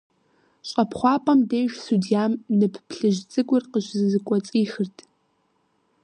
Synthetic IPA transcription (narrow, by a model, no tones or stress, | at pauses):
ɕʷʼɐpʰχʷɑːpʼɐmdeːjʒsudijaːmnɨpʰpʰɬɨʒt͡sʼɨɡʷʼʊrqəʒzɨzɨkʷʼɔt͡sʼiːxɨrtʼ